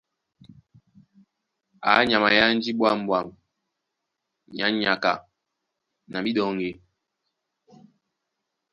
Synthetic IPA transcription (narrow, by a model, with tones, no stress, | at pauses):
a̰˨˦ɲa˨ma˨ja˦n̩˦d͡ʒi˦ɓwa˦˨m̩˨bwa˨m | ɲa˨˦ɲa˨ka̰˨ | na˨bi˦ɗɔ˨ŋɡe˨